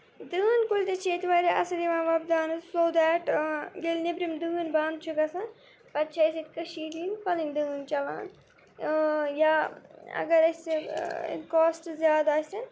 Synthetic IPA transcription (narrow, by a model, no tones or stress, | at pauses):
d̪ɨːnkulʲt̪et͡ʃʰeːt̪ʋaːɾiʔɐ̰sɐd̪iʋãːnʋɐbd̪aːnɨzsoːd̪ɛʈɡelnibɾimd̪ɨːnband̪̚t͡ʃʰuɡɐsɐn | pɐt̪t͡ʃʰɐɐset̪̚ʲkɐʃiːʈ̪inpɐliŋd̪ɨːnt͡ʃɐla̰ːn | jaːɐ̰ɡɐɾɐsḛnkɔːsʈzjaːd̪aːsʲɐ